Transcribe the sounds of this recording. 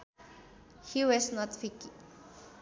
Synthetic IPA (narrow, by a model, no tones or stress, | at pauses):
hiwɔsnɔtfiki